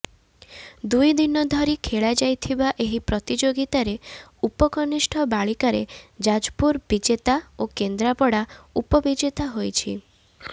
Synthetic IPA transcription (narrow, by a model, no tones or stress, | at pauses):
d̪ujd̪inɔd̪ʱɔɾikʰeɭad͡ʒajt̪ʰibaʔeɦipɾɔt̪id͡ʒoɡit̪aɾeupɔkɔnisʈʰɔbaɭikaɾḛd͡ʒad͡ʒpuɾbid͡ʒet̪aokend̪ɾapɔɽaupɔbid͡ʒet̪aɦojt͡ʃʰḭ